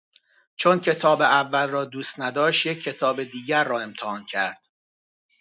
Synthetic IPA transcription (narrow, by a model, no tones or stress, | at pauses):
t͡ʃʰoncʰe̞t̪ʰɒːbeævːælrɒːd̪uːst̪næd̪ɒːʃt̪jecʰːe̞t̪ʰɒːbe̞d̪iːɟæɾːɒːe̞mt̪ʰehɒːncʰæɾd̪̥